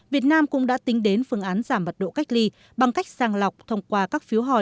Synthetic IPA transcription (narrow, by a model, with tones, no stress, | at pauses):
vi˨˩ət̚naː˧mkʊ̰˧˥ŋ͡mɗa̰ː˧˥t̪ï˨˦ŋ̟ɗe˨˦nfɨ˧˩əŋʔaː˨˦nzaː˧˩mvə˨˩t̚ɗo̰˧˨ka˦˥jk̟̚li˧ | ɓa˨˩ŋka˦˥jk̟̚saː˧ŋla˨˩wk͡p̚t̪ʰə˧wŋ͡mkwaː˧kaː˦˥k̚fi˨˦əwɦɔ̰˧˩